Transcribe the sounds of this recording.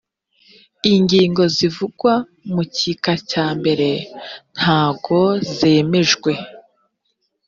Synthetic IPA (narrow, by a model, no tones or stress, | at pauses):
iɲɟiːŋɡo̞zivuɡwa | mucikacaːmbe̞ɾe̞n̥haːɡo̞ze̞ːme̞ʒɡwe̞